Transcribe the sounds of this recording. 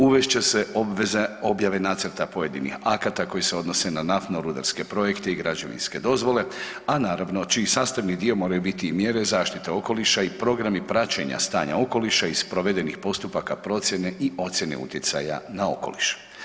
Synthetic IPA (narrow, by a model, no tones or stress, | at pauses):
uʋeʃt͡ɕe̞se̞obʋezeo̞bjaʋe̞naːt̪səɾt̪apo̞je̞d̪ḭnḭxakat̪ako̞jese̞o̞d̪no̞se̞nanaft̪noɾud̪aɾske̞pɾo̞je̞kt̪e̞iɡɾad͡ʒoʋḭnske̞d̪o̞zʋo̞le̞ | anaːɾaʋno̞t͡ʃisaːst̪aʋnid̪io̞mo̞ːɾajubit̪iːmje̞ɾe̞zaːʃt̪it̪eo̞ko̞liʃaipɾo̞ɡɾamipɾat͡ɕeɲa̰st̪aːɲa̰o̞ko̞liʃaispɾo̞ʋe̞d̪enixpo̞st̪upakapɾo̞t̪sʲje̞ne̞io̞t̪sʲje̞nḛṵt̪jet̪sa̰ja̰nao̞̰ko̞̰liʃu̥